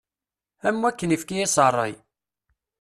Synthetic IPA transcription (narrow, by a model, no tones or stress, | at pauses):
æmːwækːənifkijæsərˤːḭ